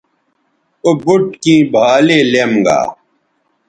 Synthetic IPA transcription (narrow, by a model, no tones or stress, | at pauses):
obuʈkĩːbʱaːleːlemɡa̰ː